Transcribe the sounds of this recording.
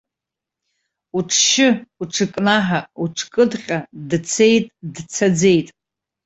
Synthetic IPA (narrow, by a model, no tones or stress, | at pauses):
uʈ͡ʂʰʃɪuʈ͡ʂʰɨkʼnaħauʈ͡ʂʰkʼɨdχʲʼadt͡sʰejtʼdt͡sʰad͡ze̞jtʼ